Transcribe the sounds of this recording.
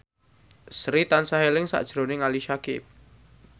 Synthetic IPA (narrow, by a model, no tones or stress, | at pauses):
sɾit̪ansaɦelɪŋsa̰ʔd̥ʒ̥ɾonɪŋaliʃakɪ̰p̚